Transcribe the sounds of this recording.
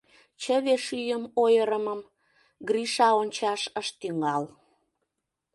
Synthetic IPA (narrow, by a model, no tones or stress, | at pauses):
t͡ɕəβeʃyjəmojəɾəməm | ɡriʃɑonʲt͡ɕɑʃəʃt̪yŋɑl